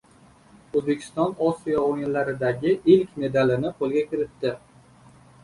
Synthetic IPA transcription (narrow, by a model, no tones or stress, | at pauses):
ɵzbe̞kʲʰɪ̥st̪ɒnɒsijɒoɪnlaɾɪd̪aɡʲɪʔɪlkʲme̞d̪alɪnɪpʰolˠɡʲakʲɪɾɪt̪ːɪ